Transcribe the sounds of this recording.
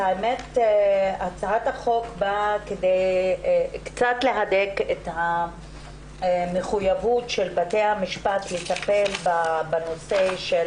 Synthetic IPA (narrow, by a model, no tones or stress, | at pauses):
aemet | at͡saathaχo̞kbakedej | kt͡satle̞ɦadeketha | meχujavutʃelbatejhamiʃpatlet̪ape̞lbabano̞seʃel